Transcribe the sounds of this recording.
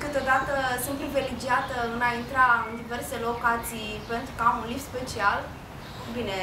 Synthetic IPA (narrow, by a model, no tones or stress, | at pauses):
kɨt̪o̞d̪at̪əsuntpɾivelid͡ʒiat̪əɨnaint̪ɾaɨnd̪ive̞rse̞lo̞kat̪sijpe̞nt̪ɾukəamunlifspe̞t͡ʃial | bine